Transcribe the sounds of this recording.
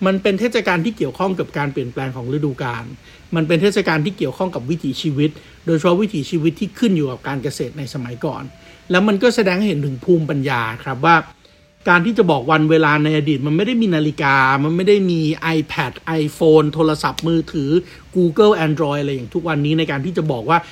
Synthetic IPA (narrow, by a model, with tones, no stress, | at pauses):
ma˧npe˧nt̪ʰeː˥˩t̪̚sa˧kaː˧nt̪ʰiː˥˩ki˨˩əwkʰɔ˥˩ŋka˨˩p̚kaː˧npi˨˩ənplɛː˧ŋkʰɔː˩˦ŋɾɯ˧duː˧kaː˧n | ma˧np̬e˧nt̪ʰeː˥˩t̪̚sa˧kaː˧nt̪ʰiː˥˩ki˨˩əwkʰɔ˥˩ŋka˨˩p̚wi˦˥t̪ʰiː˩˦t͡ɕʰiː˧wi˦˥t̪̚ | doː˧jt͡ɕʰa˧pʰɔ˦˥wi˦˥t̪ʰiː˩˦t͡ɕʰiː˧wi˦˥t̪ʰːiː˥˩kʰɯ˥˩njuː˨˩ka˨˩p̚kaː˧nka˧seː˨˩t̪̚na˧jsa˧ma˩˦jkɔ̰ː˨˩n | lɛː˦˥wma˧nkɔː˥˩sa˧dɛː˧ŋha˥˩jhe˩˦nt̪ʰɯ˩˦ŋpʰuː˥˩mpa˧njaː˧kʰɾa˦˥p̬̚waː˥˩ | kaː˧nt̪ʰiː˥˩t͡ɕa˨˩bɔː˨˩k̚wa˧nweː˧laː˧na˧jʔa˧diː˨˩ma˧nma˥˩jda˥˩jmiː˧naː˧li˦˧kaː˧ma˧nma˥˩jda˥˩jmiː˧ʔa˧jpʰɛ˨˩t̪̚ʔa˧jfoː˧nt̪ʰoː˧la˧sa˨˩p̚mɯː˧t̪ʰɯː˩˦ | kuː˧kɤ˥˩lʔɛː˧ndɾɔː˧jʔa˧ɾa˧jaː˨˩ŋt̪ʰu˦˥k̚wa˧nːiː˦˥na˧jkaː˧t̪ʰiː˥˩t͡ɕa˨˩bɔː˨˩k̚waː˥˩